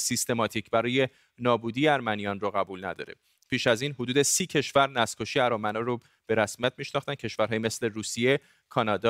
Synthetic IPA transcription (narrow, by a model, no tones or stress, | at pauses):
sist̪e̞mɒːt̪ʰicʰbæɾɒːje̞ | nɒːbuːd̪ijeæɾmænijɒːnroɣæbuːlnæ̰d̪ɒ̰ːɾe̞̰ | pʰiːʃæziːnɦod̪uːd̪e̞siːcʰe̞ʃvæɾnæskʰoʃiːæɾɒːmænɒɾo | b̥e̞ɾæsmijæt̪̚ʰmiːʃnɒxt̪æn̥̚cʰe̞ʃvæɾɦɒːjimesle̞ɾuːsije̞ | kʰɒːnɒːd̪ɒ